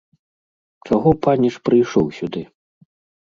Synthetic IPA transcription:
t͡ʂaɣɔpanʲiʂpɾɨjʂɔwsʲud̪ɨ

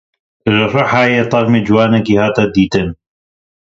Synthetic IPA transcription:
ʒɨrɨħaːjeːt̪ˤɑɾmeːd͡ʒwaːnɐkiːhaːt̪ad̪iːt̪ɨn

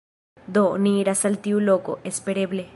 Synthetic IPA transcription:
d̪oniːɾasalt̪iuloko̰ʔespeɾeβle

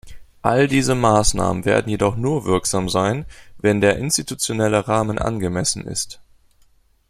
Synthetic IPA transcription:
ʔaldiːzəmaːsna̰ːmənvḛːɐdn̩jedɔχnuːɐvɪɐkz̥aːmzaɪnvɛndeːɐʔɪnstitut͡sjonɛləʁaːmənʔa̰nɡəmɛsn̩ɪ̰st

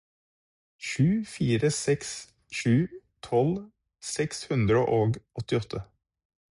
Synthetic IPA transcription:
ʃʉːfiːɾəsɛks | ʃʉː | t̪ʰɔl | sɛkshʉnd̪ɾəʔoːɡʔɔt̪ːɪɔt̪ʰːə

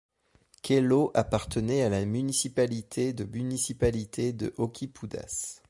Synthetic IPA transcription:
kʲʰɛloʔapaʁt̪ʰənɛalamynisipalit̪ʰed̪əmynisipalit̪ʰed̪ə̰ʔokʲipʰud̪a̰s

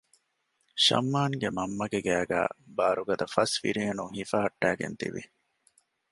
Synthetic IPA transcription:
ʃɐ̰mːaːŋɡemɐmːɐɡeɡæːɡæ̰ːbaːɾuɡɐd̪ɐfɐsʋḭɾiːɐnuŋhifɐɦɐʈːæːɡḛnt̪ḭʋḭ

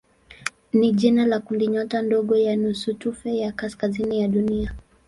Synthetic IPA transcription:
niʄinalakundiɲɔtandɔɠɔjanusutufɛjakaskazinijaɗunia

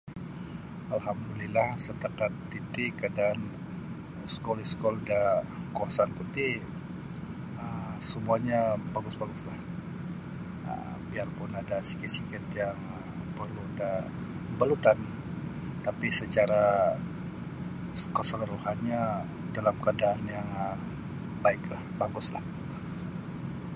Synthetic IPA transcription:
alɦamdulilahsət̪akat̪ːit̪ɪkədan | skɔliskɔldakuasankut̪i | əmsəmuaɲabaɡʊsbaɡʊslah | ə̰ | biarpʊnadasi̥kisikɪt̪jaŋ | pərluda | balut̪an | t̪apisət͡ʃaɾa | kəsələɾuhanɲa | dalamkəadaːnjaŋ | baɪklahbaɡʊsla̰h

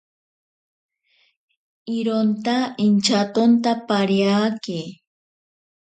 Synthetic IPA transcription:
ɪɾont̪aɪnt͡ʃat̪ont̪apaɾjaːkɪ

